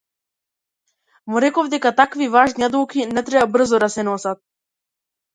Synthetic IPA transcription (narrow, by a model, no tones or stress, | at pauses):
muɾɛkɔvd̪ɛkat̪akvivaʒniad̪ukinɛt̪ɾɛbabr̩zɔd̪asɛnɔsat̪̚